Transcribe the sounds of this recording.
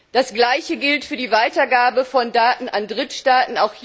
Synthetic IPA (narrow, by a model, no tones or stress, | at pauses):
d̥asɡ̥laɪçəɡɪltfyːɐdiːvaɪtɐɡaːbəfɔndaːtn̩ʔandʁɪtʃtaːtn̩aʊxh